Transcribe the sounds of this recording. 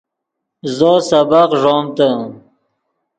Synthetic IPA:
zoːsabaqʐɔmt̪a

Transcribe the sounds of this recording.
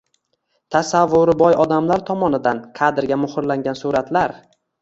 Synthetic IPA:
t̪ʰasavːʊɾɪbɒjɒd̪amlaɾt̪ʰɒmɒnɪd̪anqʰɑd̪ɪɾɡʲamʊhɪɾlaŋɡʲansuɾat̪laɾ

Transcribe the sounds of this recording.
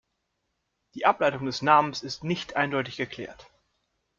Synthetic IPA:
d̥iːʔaplaɪtʊŋdɛsnaːmənsɪstnɪçtʔaɪndɔʏtɪçɡ̥əkʰl̥ɛ̰ːɐt

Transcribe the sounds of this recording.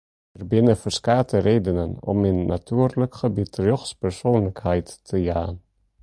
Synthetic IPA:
ərbɪnəfəɹskaːtʰəɾeːdənənɔ̰minːa̰tʰyərləkχəbitɾøχspɛɹsoːnləkhɛjtːəjaːn

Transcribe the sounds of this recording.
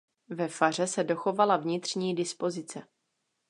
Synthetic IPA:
vɛfar̝ɛsɛdo̞xo̞valavɲɪt̪r̝̥ɲiːdɪspo̞zɪt͡sɛ

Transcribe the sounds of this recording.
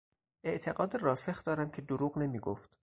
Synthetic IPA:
ʔe̞ʔt̪ʰe̞ɢɒːd̪erɒːsexd̪ɒːɾæmcʰe̞d̪oɾuːɣne̞miːɡoft̪

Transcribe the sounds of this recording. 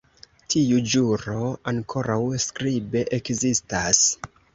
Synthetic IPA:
tʰiud͡ʒuɾo̞aŋkʰo̞ɾawskɾibe̞ʔekzistas

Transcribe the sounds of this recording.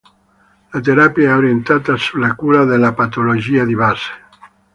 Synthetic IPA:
lat̪eɾapjaɛoɾient̪at̪asulakuɾaðelapat̪oloʒiaðiβase̥

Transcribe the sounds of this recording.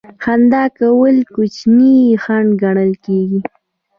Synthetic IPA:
xand̪ɑkawəlkut͡ʃnixaɳɖɡaɳəlkeɡi

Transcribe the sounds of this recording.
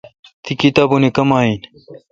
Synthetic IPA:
t̪ʰikit̪aːbunekɐmaːiːn

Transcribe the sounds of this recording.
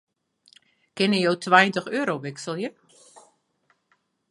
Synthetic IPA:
kɪnəjowtʰʋajəntəxøːɾowʋɪksəlˠjə

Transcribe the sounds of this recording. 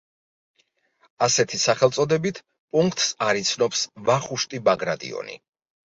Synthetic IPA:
asɛt̪ʰisaχɛlt̪sʼɔd̪ɛbit̪ʰ | pʼuŋkʰt̪ʼsaɾit̪sʰnɔpsvaχuʃt̪ʼibaɡɾad̪ḭɔ̰nḭ

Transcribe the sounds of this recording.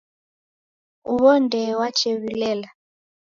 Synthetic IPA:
uβɔndɛwat͡ʃʰeβilɛːla

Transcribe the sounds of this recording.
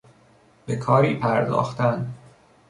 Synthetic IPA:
b̥e̞kʰɒːɾiːpʰæɾd̪ɒ̰ːxt̪æn

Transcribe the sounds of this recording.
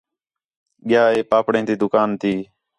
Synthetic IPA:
ɠɪjaːeːpaːpɽẽːt̪iːd̪ʊkaːnt̪ʰiː

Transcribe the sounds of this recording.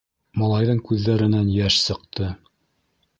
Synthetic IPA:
mɑlˠɑjðɤɴkʉðːæɾɘ̆nænjæʃsɤ̆q̚t̪ɤ

